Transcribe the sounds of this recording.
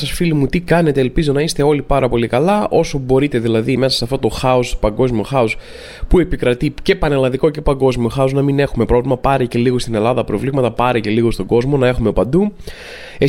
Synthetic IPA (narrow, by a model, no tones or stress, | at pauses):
ɐsfilimut̪ikɐne̞t̪e̞ːlpizo̞nɐist̪e̞o̞lipɐɾɐpo̞likɐlɐʔo̞so̞bo̞ɾit̪e̞ðilɐðime̞sɐsɐft̪o̞t̪oxɐospɐŋɡo̞zmio̞xɐos | pue̞pikɾɐt̪ice̞pɐne̞lɐnðiko̞ce̞pɐŋɡo̞zmio̞xɐoznɐmine̞xume̞pɾo̞vlimɐpɐɾece̞liɣo̞st̪ine̞lɐðɐpɾo̞vlimɐt̪ɐpɐɾece̞liɣo̞st̪oɡo̞zmo̞nɐe̞xume̞pɐnd̪u | e